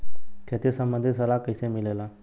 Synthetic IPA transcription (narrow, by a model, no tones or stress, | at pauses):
kʰet̪isəmbənd̪ʱisəlakəjsẽmilela